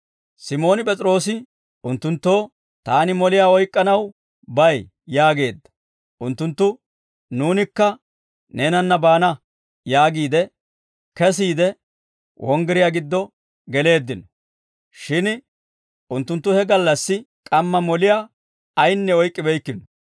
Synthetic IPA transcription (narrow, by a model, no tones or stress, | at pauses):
sɪmo̞ːnɪpʼɛt͡sʼɾo̞ːsɪ | ʊnt̪ːʊnt̪ːo̞ː | t̪aːnɪmɔlɪjaːɔjkʼːɐnɐw | bɐj | jaːɡe̞ːd̪ːɐ̥ | ʔʊnt̪ːʊnt̪ːʊ | nuːnɪkːɐ | ne̞ːnɐnːɐbaːnɐ | jaːɡiːd̪ɛ | kɛs̬iːd̪ɛ | wʔɔŋɡɛɾɪjaɡɪd̪ːɔ | ɡɛle̞ːd̪ːɪnɔ | ʃɪn | ʊnt̪ːʊnt̪ːʊhɛɡɐlːɐsːɪ | kʼɐmːɐmɔlɪjaː | ɐjnːɛɔjkʼːɪbɛjkːɪnɔ